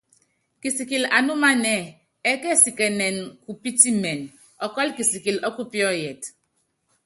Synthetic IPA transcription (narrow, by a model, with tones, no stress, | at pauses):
ki˨si˨ki˨la˨nu˦ma˦nɛ˦˨ | ɛ˦kɛ˦˨si˨kɛ˨nɛ˨nku˨pi˦ti˦mɛ˨n | ɔ˨kɔ˦lki˨si˨ki˨lɔ˦ku˦pjɔ˦jɛ˨t